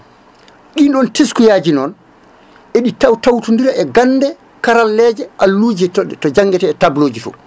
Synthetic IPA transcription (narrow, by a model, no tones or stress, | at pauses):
ɗiɗɔnteskujaːd͡ʒinɔn | ʔɛɗitawtawtundiɾaʔɛɡanːdɛ | kaɾalːɛːd͡ʒɛʔalːud͡ʒɛtɔɗɛtɔd͡ʒaŋːɡɛtɛːtabloːd͡ʒitɔ̰